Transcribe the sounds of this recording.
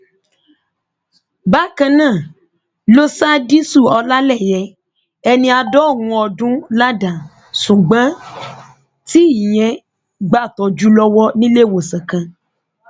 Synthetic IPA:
ba˦kã˧nãː˦˨ | lo˦sa˦di˦su˦˨ɔ˧la˦lɛ˦˨jɛ˧ | ɛ˧nĩ˧a˧dɔ˦˨wũ˧ɔ˧dũ˦la˦da˨ | sũ˨ɡ͡bã˨˦ | ti˦i˨j̃ɛ̃˧ | ɡ͡ba˦˨tɔ˧d͡ʒu˦lɔ˦wɔ˦nĩ˦le˦˨wo˨sã˨kã˧

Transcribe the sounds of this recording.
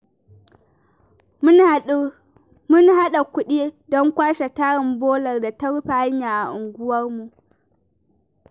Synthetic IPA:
mʊ˦nɦa˦ɗa˨kʷʊ˦ɗiː˦dɔ˦ŋkʷaː˦ʃa˨taː˦ɽɪ˨mboː˦lɐ˨rda˨tɐ˦ɽʊ˦ɸa˨ha˦ɲjaː˨ʔa˨ʔʊ˨ŋɡʷʊ˦wɐ˦rmu˨ʔ

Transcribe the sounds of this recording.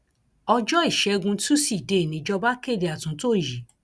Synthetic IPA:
ɔ˧d͡ʒɔ˦i˦˨ʃɛ˨˧˦ɡũ˧tu˦si˦˨de˨nĩ˨˦d͡ʒɔ˧ba˦ke˦˨de˨a˨tũ˨˦to˦˨ji˨

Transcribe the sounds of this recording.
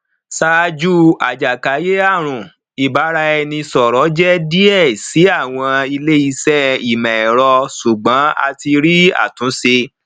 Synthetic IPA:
sa˦˧d͡ʒu˦a˨d͡ʒa˨ka˨˦je˦a˦˨ɾ̃ũ˨ | i˨ba˨˦ɾa˧ɛ˧nĩ˧sɔ˨ɾɔ˨˦d͡ʒɛ˦di˦ɛ˦˨si˨˦a˦˨w̃ɔ̃˧i˧le˦i˦˧sɛ˦i˨mɛ̃˨ɾɔ˧su˨ɡ͡bã˨˦a̰˧ti˧ɾi˦a̰˦˨tũ˨˦se˧

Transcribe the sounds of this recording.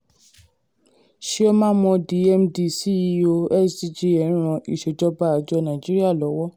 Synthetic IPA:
ʃi˦ɔ˦mã˦mɔ̃˧di˨˦ɛ˧mdi˨˧˨si˦˧˦o˧ɛ˦˨sdi˧d͡ʒi˧˦ɛ̃˨˦ɾ̃ɔ̃˧ʔi˨ʃe˨d͡ʒɔ˧˦ba˦˨a˨˧˨d͡ʒɔ˧nã˨d͡ʒi˦ɾi˦a˦˨lɔ˨˦wɔ˦

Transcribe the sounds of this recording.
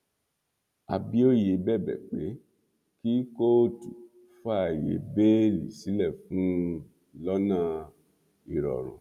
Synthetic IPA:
a̰˨bi˦o˦je˨˧bɛ˦˨bɛ̰˨k͡pe˨˦ | ki˦ko˦˨tu˨ | fa˦˨jḛ˨˦be˦lḭ˨si˨˦lɛ˦˨fũ˨˦ | lɔ˦nã˦˧˨ | i˨ɾɔ̰˨ɾ̃ṵ̃˨

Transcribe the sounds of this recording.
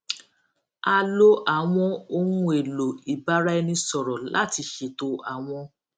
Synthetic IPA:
a˧lo˦ʔa˨w̃ɔ̃˧o˧nũ˧˦e˨lo˨i˨ba˨˦ɾa˦ɛ˧nĩ˧sɔ˨ɾɔ˨la̰˦˨ti˧ʃe˨to˧a˨w̃ɔ̃˧

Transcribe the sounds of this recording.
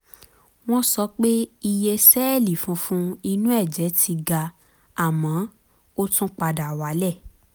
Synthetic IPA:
w̃ɔ̃˦sɔ˧k͡pe˦i˧je˧sɛ˦˨li˨fũ˧fũ˦i˧nũ˦ɛ˦˨d͡ʒɛ˨˦tʰi˧ɡa˧ | a˨mã˨˦ | o˦tũ˦k͡pa˧da˨wa˨˦lɛ˦˨

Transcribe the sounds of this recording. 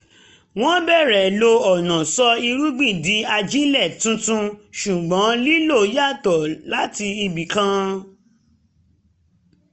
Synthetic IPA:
w̃ɔ̃˦bɛ˦˨ɾɛ˨lo˧ɔ˨nã˨sɔ˧i˧ɾu˦ɡ͡bĩ˦˨di˨˦a˧d͡ʒĩ˦lɛ˦˨tũ˦tũ˧ʃu˨ɡ͡bɔ̃˨˦li˦lo˦˨˦ja˦˨tɔ˨la˨˦ti˧i˧bi˨kã˦

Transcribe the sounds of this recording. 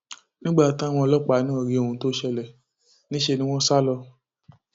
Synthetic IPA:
nĩ˦ɡ͡ba˦˨tã˦w̃ɔ̃˧ɔ˧lɔ˦k͡pa˨˦nũ˦ɔ˨ɾi˨˦o˨˧˨ũ˧˦to˦ʃɛ˧lɛ˨ | nĩ˦ʃe˧nĩ˦w̃ɔ̃˦sa˦lɔ˧

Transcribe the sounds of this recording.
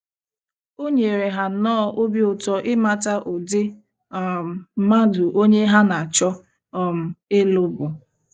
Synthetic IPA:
o˦ɲe˨ɾe˨ɦa˨nɔ˦ʔo˦bi˦ʊ˨tɔ˦ʔɪ˦ma˦ta˦ʔʊ˨dɪ˦˨˦ | ma˦dʊ˨ʔo˦ɲe˦ɦa˦na˨a˨t͡ʃɔ˦ | ɔ˨m̩˨e˦lʊ˦bʊ˨

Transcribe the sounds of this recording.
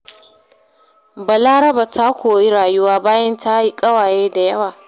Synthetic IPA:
ba˨laː˦ɾɐ˦ba˨ta˦kʷoː˨ji˦ɾaː˨jʊ˦waː˦baː˦jɐ˦ntʰa˦i˦kʼɐ˦waː˨jeː˦da˨jɐ˦waː˨

